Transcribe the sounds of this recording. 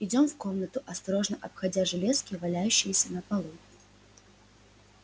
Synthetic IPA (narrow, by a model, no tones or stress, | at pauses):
ɪdʲo̞mfko̞mnət̪ʊʔɐst̪ɐɾo̞ʐnəʔɐpxɐd͡zʲaʐɨlʲeskʲɪvɐlʲæjʉɕːɪjəsʲənɐpɐlˠu